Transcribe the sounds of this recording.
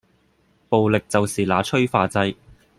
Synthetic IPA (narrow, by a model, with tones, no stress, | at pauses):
po˨wlɪ˨k̚t͡sɐ˨wsiː˨laː˨˧t͡ʃʰɵ˥ɥfaː˨˧t͡sɐ˧j